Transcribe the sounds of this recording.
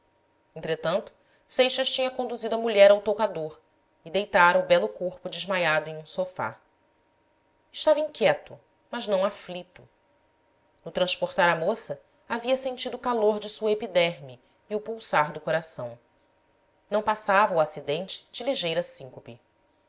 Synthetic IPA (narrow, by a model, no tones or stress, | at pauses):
ẽnt̪ɾet̪ɐ̃nt̪ʊ̥ | sejʃɐʃt͡ʃĩɲɐkõnd̪uzid̪ʊɐmuʎɛɾawt̪okad̪oɾ | ɪd̪ejt̪aɾɐubɛlʊkoχpʊd͡ʒɪʒmajad̪ʊẽŋ̃ũsofa̰ | ɪʃt̪avɐĩŋkʲjɛt̪ʊ | mɐznɐ̃w̃aflit̪ʊ | nʊt̪ɾɐ̃ʃpoɾt̪aɾɐmosɐ | aviɐsẽnt͡ʃid̪ʊːkaloɾd͡ʒɪsuɐepid̪ɛɾmi | iʊpuwsaɾd̪ʊkoɾasɐ̃w̃ | nɐ̃w̃pasavɐuasid̪ẽnt͡ʃɪ̥d͡ʒɪliʒejɾɐsĩŋkupi